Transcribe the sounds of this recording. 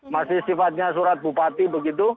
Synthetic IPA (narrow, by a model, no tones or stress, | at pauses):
masisifat̪ɲãs̬uɾat̪̚bʱupaːt̪ibəɡɪd̪u